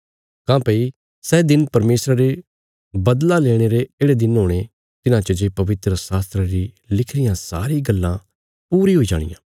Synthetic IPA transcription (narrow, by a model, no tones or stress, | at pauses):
kãːpəi | sɛd̪ɪnpɐɾmeːsɾaɾe | bɐd̪laleːɽ̃eɾeeːɽed̪ɪnɦoːɽ̃e | t̪ɪnãt͡ʃəd͡ʒepɐʋɪt̪ɾəsaːst̪ɾəɾi | lɪkʰɽɪjãsa̰ːɾiɡɐlːã | puːɾiɦoːid͡ʒa̰ːɽ̃ɪ̰jã̰ː